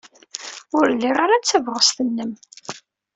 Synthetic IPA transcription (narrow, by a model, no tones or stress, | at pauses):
ʊɾlːiʁaɾat͡sːævʁəst̪ənːəm